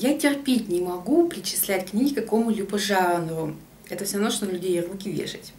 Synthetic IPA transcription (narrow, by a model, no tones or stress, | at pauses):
jatʲɪrpʲetʲnʲɪmɐɡupɾʲɪt͡ɕɪ̥slʲætʲknʲiɡʲɪkɐko̞mʊlʲupəʐaənəvʊ | ɛt̪əfsʲɾɐvmnoʂt̪onlʲʉdʲejrukʲɪvʲḛʂɨtʲ